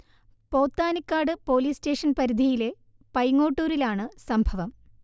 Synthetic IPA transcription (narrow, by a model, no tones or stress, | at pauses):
po̞ːt̪ːaːnikːaːɖɨpo̞ːliːste̞ːʂɐnpɐɾid̪ʱijile̞ | pɐjŋːoːʈːuːɾilaːɳɨsɐmbʱɐʋɐm